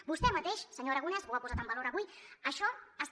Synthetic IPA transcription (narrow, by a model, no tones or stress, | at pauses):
bust̪ɛmət̪eʃsəɲoɾəɣunɛzβwapuzat̪əmbəloɾəβuiəʃɔəs